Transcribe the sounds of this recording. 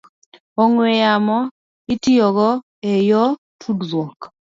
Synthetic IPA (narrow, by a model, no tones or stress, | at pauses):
ɔŋwejamɔ | itiɔɣɔ | ejɔ | tʰudzwɔk